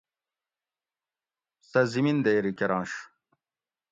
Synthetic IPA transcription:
sɐzimind̪ejɾikeɾɑ̃ːnɕ

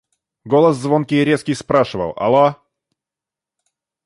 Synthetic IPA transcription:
ɡolˠəszvo̞nkʲɪɾʲe̞skʲɪjspɾaʂɨvə̰lˠɐ̰lˠa

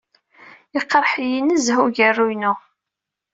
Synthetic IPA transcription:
iqːɾˤħijinəzɦuʝərːujnu

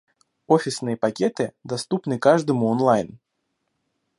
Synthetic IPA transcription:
ofʲɪsnɨjəpakʲɛt̪ɨd̪ast̪upnɨkaʐd̪ɨmʊɔnlˠajn

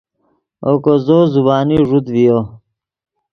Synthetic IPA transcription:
okozozubaːniʐud̪vijo

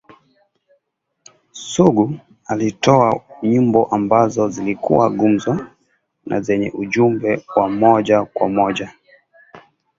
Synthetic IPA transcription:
suɡu | alitɔaɲumbɔʔambazɔzilikṵwaɡum̩zwa | nʔa̰zɛɲɛʔuʄumbɛwamɔʄakwamɔʄa

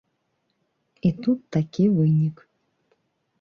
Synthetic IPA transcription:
et̪ut̪ːakʲevɨjnʲik

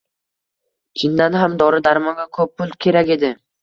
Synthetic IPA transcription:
t͡ʃʰind̪anɦamd̪ɒɾɪd̪aɾmɒŋɡɑkʰɵpːʊlkʲʰe̞ɾakʲe̞d̪ɪ

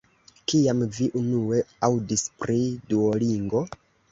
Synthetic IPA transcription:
kiamviʔunue̞awdispɾiduoliŋɡo̞

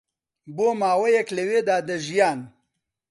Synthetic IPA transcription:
boːmaːwɐjɐklewed̪aːd̪ɐʒjaːn

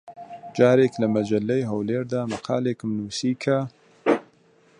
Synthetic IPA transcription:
d͡ʒɑːɾeklamad͡ʒalːajɦɐwleːɾd̪aːmaqʰɑ̰ːlekmnuːsiːkʰa

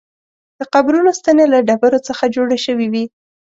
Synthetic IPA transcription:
d̪̥əqabɾunost̪anelaɖabaɾot͡səxad͡ʒoɽaʃəwiwi

